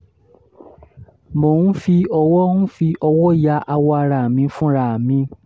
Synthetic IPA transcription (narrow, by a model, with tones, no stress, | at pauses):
mo˨nũ˦fi˧ɔ˧wɔ˦nũ˦fi˧ʔɔ˧wɔ˦ja˧˦ʔa˧wɔ˧a˧ɾa˨mĩ˨˧˦fũ˦ɾa˨mĩ˧